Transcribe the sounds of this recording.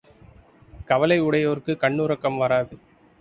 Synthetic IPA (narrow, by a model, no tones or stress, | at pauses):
kɐʋɐlɐɪʊɽɐjoːɾkɯkɐɳːuɾɐkːɐmʋɐɾaːðɯ